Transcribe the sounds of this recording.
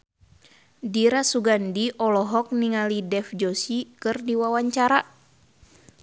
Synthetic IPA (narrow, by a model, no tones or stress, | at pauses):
diɾasuɡandiʔɔlɔɦɔk̚niŋalidɛfd͡ʒosikɨrdiwawaɲt͡ʃaɾa